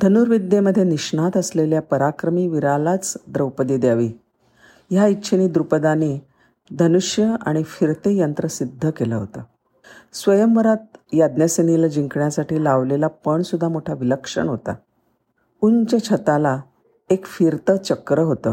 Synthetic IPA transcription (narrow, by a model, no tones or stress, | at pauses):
d̪ʱənuːɾʋid̪jeməd̪ʱːjeniɕɳat̪əsleljapəɾakɾəmiːʋiɾalat͡sd̪ɾəwpəd̪iːd̪jaʋiː | jaitːɕʰeniːd̪ɾupəd̪ane | d̪ʱənuʂjəa̰ɽ̃ifiɾt̪ejənt̪ɾəsid̪ʱːəkelaɦot̪ə | sʋəjəmʋəɾat̪̚jad̪njəsenilad͡ʑiŋkɳjasaʈiːlaʋlelapəɳsud̪ʱːamoʈʰaʋiləkʂə̰ɳɦot̪a̰ | uɲt͡ɕat͡ɕʰət̪ala | ekfiɾt̪ət͡ɕəkɾəɦot̪əː